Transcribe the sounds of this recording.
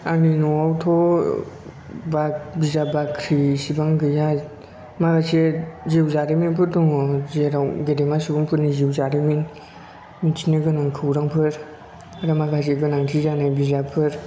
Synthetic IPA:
aninɔawtʰɔ | bak̚bizabakʰɾisibaŋɡɯja | maɡaseziwzaɾiminpʰɯɾtɔŋɔzeɾawɡedemasibaŋpʰɯɾniziwzaɾimin | mitʰinɯɡɯnaŋkʰɯwɾaŋpʰɯɾ | aɾamaɡas̬eɡɯnaŋtʰizanajbizapʰɯɾ

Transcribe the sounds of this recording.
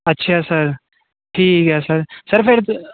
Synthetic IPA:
ɐtːʃʰasɐɾ | ʈʰiːkɦɛːsəɾsɐɾfʰeɾ

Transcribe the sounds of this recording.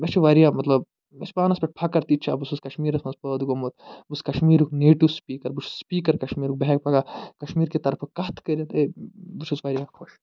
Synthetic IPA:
bɐt͡ʃʰiʋaɾijãːmɐt̪lɐb | ɐspaːnɐspʲeʈ̚pʰɐkɐɾt̪it͡ʃʰa̰bususkɐʃmiːɾɐxnɐspəːd̪ɡomot̪̚buskɐʃmiːɾukneːʈuspiːkɐɾbut͡ʃʰu̥sspiːkɐɾkɐʃmiːɾuk̚beɦek̚pʰɐɡakɐʃmiːɾket̪ɐɾfʰɐkɐt̪kəɾʲinebut͡ʃʰusʋɐɾijãxʰoʃ

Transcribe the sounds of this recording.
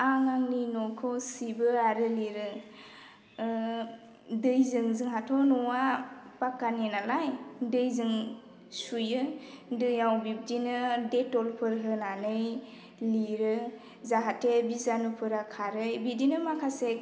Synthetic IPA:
aŋaŋninɔkʰɔsibɯaɾɯliɾɯ | dɯjzɯŋzɯŋɦatʰɔnɔwapakːanenalajdɯjzɯŋ | sujɯdɯjawbib̚dinɯdetɔlpʰɯɾɦɯnanɯj | liɾɯ | zaɦatebizanupʰɯɾakʰaɾɯjbidinɯmakʰasek̚

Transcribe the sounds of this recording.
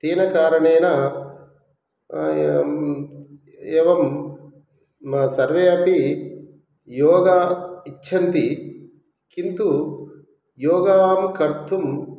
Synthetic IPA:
t̪eːnɐkaːɾɐɳeːnɐ | eːʋɐm | ɐsɐɾʋeːɐpi | joːɡɐitːʃʰɐnt̪i | kint̪u | joːɡaːmkɐɾt̪ʰum

